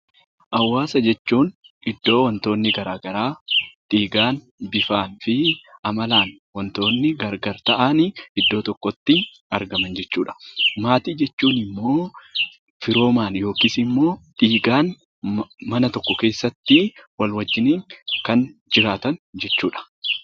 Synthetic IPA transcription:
ʔɐwːaːsɐd͡ʒɛt͡ʃːuːn | ɪd̪ːo̞ːwɐnt̪o̞ːnːɪɡɐɾaːɡɐɾaːᶑ̪ʼiːɡaːn | bɪfaːnfɪɐmɐlaːn | wɐnt̪o̞ːnːɪɡɐɾɡɐɾt̪ɐʔanɪɪd̪ːo̞ːt̪ɔkːɔt̪ːɪ | ɐɾɡɐmɐnd͡ʒɛt͡ʃːuːᶑɐ̥maːt̪iːd͡ʒɛt͡ʃːuːnɪmːo̞ː | fɪɾo̞ːmaːnjo̞ːkiːsɪmːo̞ːᶑiːɡaːn | mɐnɐt̪ɔkːɔke̞ːsːɐt̪ːɪwɐlwɐd͡ʒːɪniːŋkɐnd͡ʒɪɾaːt̪ɐnd͡ʒɛt͡ʃːuːᶑɐ̥

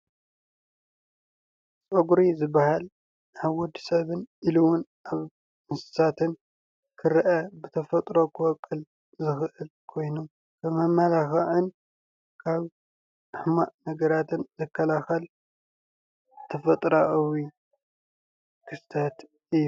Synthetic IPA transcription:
t͡sʼɐɡuɾizɨbahal | ʔaβwɔd̪isɐβɨniluwʊnʔaβ | mɨnsɨ̥sat̪ʰɨn | kʰɨɾʔɐbɨt̪ʰɐfɐt̪ʼɾo̞kʰɨwɔkʼːɨl | zɨxʔɨlkʰo̞jnum | kʰɐmɐmːalaxɐʕɨn | kʰaβ | ɨħmaʔnɐɡɐɾat̪ɨnzɨkʰːɐlaxɐl | t̪ʰɐfɐt̪ʼɾaʔwi | kʰɨst̪ʰɐt̪ | ʔij

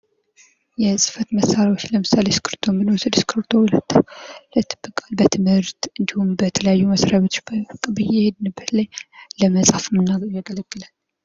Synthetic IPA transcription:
jɛsʼɨ̥fət̪məsːaɾjawo̞t͡ʃːləmɨsaleskʰɨɾt̪ʰomːɨnosɨd̪skʰɨɾt̪ʰo̞hulət̪ːlɨt̪ʰːɨb̥ːɨkʼalbət̪ʰɨmhɨɾt̪ɨnd̪ihumbət̪ʰələjajːuməsɾaβet̪obkʼbɨjeɛhed̪ɨnɨbːət̪lajləməsʼafmːɨnːaɡjaɡələɡːɨlal

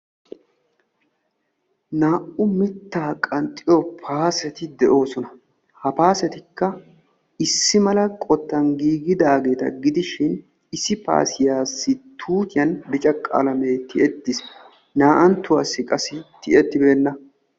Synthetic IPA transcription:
naːʔʊmɪt̪ːaːkʼɐnt̪ʼːɪjɔpʰaːsɛt̪ɪd̪ɛʔo̞ːsɔnɐ | hɐpaːsɛt̪ɪkːɐ | ɪsːɪmɐlɐkʼɔt̪ːɐnɡiːɡɪd̪aːɡe̞ːt̪ɐ̰ɡɪd̪ɪʃɪn | ɪsːɪpa̰ːsɪjaːsːɪt̪ʰuːt̪ɪjɐnbɪt͡ʃʼɐkʼːa̰lɐme̞ːt̪ʰɪʔɛt̪ːɪs | naːʔɐnt̪ːʊwaːsːɪkʼɐsɪt̪ɪʔɛt̪ːɪbeːnːɐ

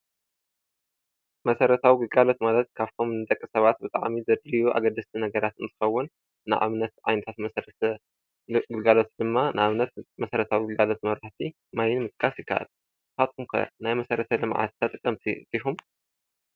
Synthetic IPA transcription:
mɐsɐɾɐt̪ʰawiɡɨlɡalo̞t̪malɐt̪̚kʰaβt̪ʰo̞mnɨt̪ʼɐkʼːisɐβat̪̚bɨt̪ʼa̰ʕmizɐd̪ɾijuʔa̰ɡɐd̪ːɐst̪ʰinɐɡɐɾat̪ɨnt̪ɨxɐwːʊnː | ɨʔa̰βnɐt̪ʕa̰jnɐt̪ʰat̪mɐsɾɐt̪ | ɡɨlɡalo̞t̪d̪ɨmːanaβnɐt̪mɐsɐɾɐt̪ʰawiɡɨlɡalo̞t̪mɐɾaħt̪ʰi | majɪnmɨt̪ʼkʼːasjɪkʰːa̰ʔa̰l | hʰat̪̚kʰumkʰɐ̰najmɐsɐɾɐt̪ʰɐlɨmʕa̰t̪t̪ʰːɐt̪ʼɨkʼːɐmt̪ʰḭd̪̥ixum

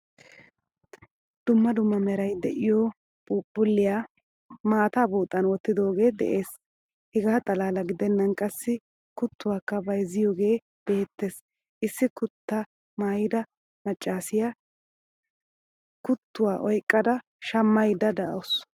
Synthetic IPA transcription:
d̪̥ʊmːɐd̪ʊmːɐmɛɾɐjd̪ɛʔɪjɔ | buːpʼːʊlːɪjaː | maːt̪aːbuːt̪ʼːɐnwɔt̪ːɪd̪o̞ːɡe̞ːd̪ɛ̰ʔe̞ːs | hɛɡaːt̪ʼɐlaːlɐɡɪd̪ɛnːɐnkʼɐsːɪ | kʊt̪ːʊwaːkːɐbɐjzɪjoːɡe̞ː | b̥e̞ːt̪ːe̞s | ʔɪsːɪkʊt̪ːɐ | maːjɪd̪ɐ | mɐt͡ʃʼːaːsɪja | kʊt̪ːʊwaːʔɔjkʼːɐd̪ɐ | ʃɐmːɐjd̪ɐd̪ɐʔos

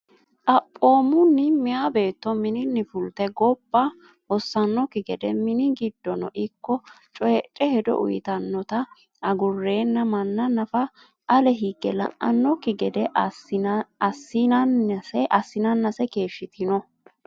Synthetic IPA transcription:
ʔʼɐpʼːo̞ːmʊnːɪmɪjabe̞ːt̪ːɔmɪnɪnːɪfʊlt̪ɛɡɔb̥ːɐ | hɔsːɐnːɔkɪɡɛd̪ɛmɪnɪɡɪd̪ːɔnɔ̰ʔɪkːɔ | t͡ʃʼɔjɛt͡ʃʼːɛhɛd̪ɔ̰ʔʊ̰jɪt̪ɐnːɔt̪ɐ | ɐɡʊrːe̞ːnːɐmɐnːɐnɐfɐ | ʔɐlɛɦiɡːɛlɐ̰ŋʔʔɐ̰nːɔkɪɡɛd̪ɛ | ɐsːɪnɐnsɛʔɐsːɪnɐnːɐsɛke̞ːʃːɪt̪ʰɪnɔ

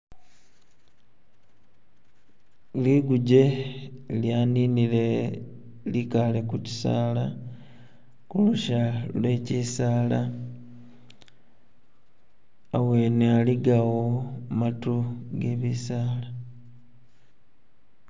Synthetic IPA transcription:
liɡuɟe̞ | ljaːninile̞ | likale̞kuci̥sa̰ːla | kuluʃalwe̞cisaːla | awe̞nealiɡawomatuɡe̞βisaːla

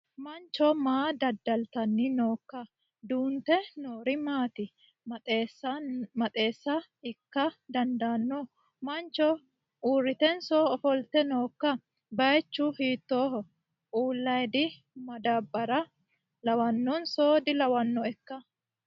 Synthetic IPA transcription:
mɐnt͡ʃːɔmaːd̪ɐd̪ːɐlt̪ɐnːɪno̞ːkːɐ | d̪uːnt̪ɛnoːɾɪmaːt̪ɪ | smɐt̪ʼe̞ːsːɐɪkːɐd̪ɐnd̪aːnːɔ | mɐnt͡ʃːɔ | uːrːɪt̪ɛnsoːɔfɔlt̪ɛno̞ːkːɐ | bɐjɛt͡ʃːuhiːt̪ːoːɦɔ | uːlːɐjd̪ɪ | mɐd̪abɐɾɐ | lɐwɐnːɔnsoːd̪ɪlɐwɐnːɔɛkːɐ

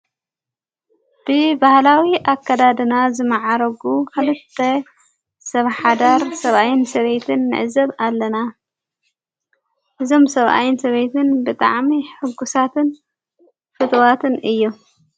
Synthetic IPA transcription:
b̥ɨbahlawiʔakːɐd̪ad̪ɨnazɨmɨʕaɾɐɡukʰɨlɨt̪ʰːɐ | sɐβħad̪aɾsɐβʔajɪnsɐβet̪ʰɨnːɨ̰ʕzɐβalːɐna | ʔɨzo̞msɐβʔa̰jɪnsɐβejt̪ʰɨnbɨt̪ʼa̰ʕmiħɨɡːusat̪ʰɨn | fɨt̪ʼwat̪ʰɨnɨjːu

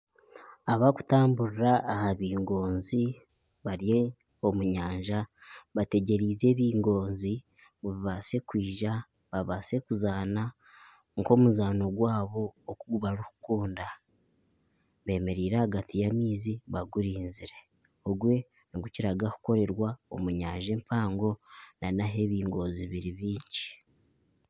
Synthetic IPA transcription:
aβaku̥taːmbuɾiɾaːhaβiːŋɡo̞ːnzi | βaɾie | o̞muɲaːɲʒaβate̞ɟe̞ɾiːze̞ːβiːŋɡo̞ːnzi | βuβiβase̞kwiːʒa | βaβase̞kuzaːna | ŋko̞muzaːno̞ɡwaːβo̞ːkuɡuβaɾuhu̥kuːnda | βe̞ːme̞ɾiːɾahaɡatijamiːziβaɡuɾiːnziɾe̞ | oɡwe̞ | niɡuciɾaɡaku̥ko̞ɾe̞ɾwao̰muɲaːɲʒe̞ːmpʰaːŋɡo̞nanaɦe̞βiːŋɡo̞ːnziβiɾiβiːɲɟi̥

